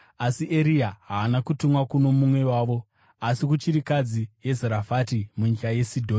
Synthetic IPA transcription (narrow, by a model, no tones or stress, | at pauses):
asiʔeɾijaɦaːnakutumwakuno̞mumwe̞waːʋo̞ | asikut͡ʃiɾikad͡zije̞zeɾafatimuɲikaje̞sidʱoː